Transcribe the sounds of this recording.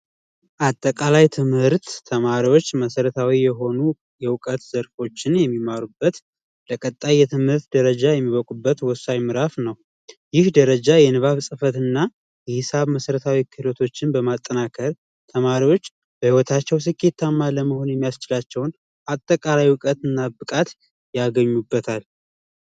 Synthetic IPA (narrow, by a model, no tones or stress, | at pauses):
ʔat̪ʼːəkʼalajt̪ʰɨmhɨɾt̪ːʰəmaɾiwo̞t͡ʃːməsəɾət̪ʰawijɛɦo̞nu | jɛwʊkʼət̪zəɾfo̞t͡ʃːɪnjɛmːimaɾubːət̪ | ləkʼət̪ʼːajːɛt̪ʰɨmhɨɾt̪d̪əɾəd͡ʒajɛmːiβəkʼubːət̪wɔsajmɨɾafnəw | jɪhd̪əɾəd͡ʒajɛnɨβaβsʼɨfət̪ɨnːa | jɛhɨsaβməsəɾət̪ʰawikʰɨlo̞t̪ʰo̞t͡ʃːɪnbəmat̪ʼːənakʰəɾ | t̪ʰəmaɾiwo̞t͡ʃː | b̥əhiwɔt̪ʰat͡ʃːɛws̬ɨkʰʼːe̞t̪ʰːamːaləməho̞njɛmːijast͡ʃɪlat͡ʃːɛwn | ʔat̪ʼːəkʼalajwʊkʼət̪ɨnːabɨkʼat̪ | jaɡəɲːubːət̪ʰal